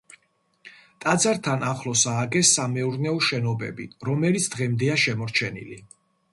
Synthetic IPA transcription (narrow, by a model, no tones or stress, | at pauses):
t̪ʼad̪zaɾt̪ʰanaχlˠɔsaːɡɛsːamɛuɾnɛɔʃɛnɔbɛ̰bḭɾɔmɛlit̪sʰd̪ʁɛmd̪ɛaʃɛmɔɾt͡ʃʰɛnḭlḭ